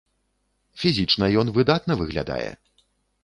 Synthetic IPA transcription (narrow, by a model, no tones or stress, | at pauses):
fʲizʲit͡ʂnɐjɔnvɨd̪at̪nɐvɨɣlʲa̰d̪a̰jɛ̰